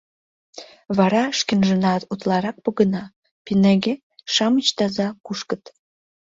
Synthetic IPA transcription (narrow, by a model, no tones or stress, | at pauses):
βɑɾɑʃkĕnʒə̆nɑt̪ut̪lɑɾɑk̚pə̆ɣə̆nɑ | pinæɡe | ʃɑmət͡ɕt̪ɑzɑkuʃkə̆t̪